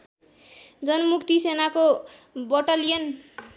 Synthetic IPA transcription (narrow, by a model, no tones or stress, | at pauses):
d͡zʌnʌmukt̪isenakobʌʈalijʌn